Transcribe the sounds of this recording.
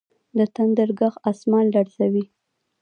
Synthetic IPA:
d̪ət̪and̪əɾɡaxasmɑlːaɽsawi

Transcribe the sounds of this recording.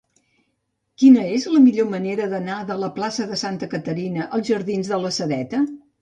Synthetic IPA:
kinəezləmiʎoməneɾəðənaðələplasəðəsant̪əkət̪əɾinəʔəlˠzʒəɾðinzðələsəðɛt̪ə

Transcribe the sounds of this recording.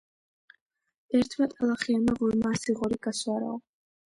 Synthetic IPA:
ɛɾt̪ʰmat̪ʼalˠaχianmaʁulmaːsiʁɔɾiɡaswaɾɔ̰ː

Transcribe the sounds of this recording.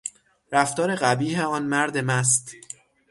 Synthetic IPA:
ɾæft̪ɒːɾe̞ɣæbiːheɒːnmæɾd̪e̞mæs̬t̪

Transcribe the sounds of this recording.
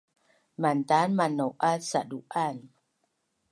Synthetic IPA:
mant̪aːnmanːowʔasaduʔan

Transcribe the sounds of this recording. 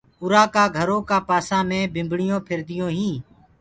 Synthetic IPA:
ʊɾaːkaːɡʱəɾõːkaːpaːsãːmẽːbɪ̃mbɽɪjõːpʰɪɾd̪ɪjõːɦĩː

